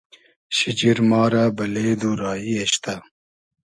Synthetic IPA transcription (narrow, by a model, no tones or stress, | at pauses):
ɕid͡ʑiɾmɑːɾabɐleːd̪uːɾɑːieɕt̪a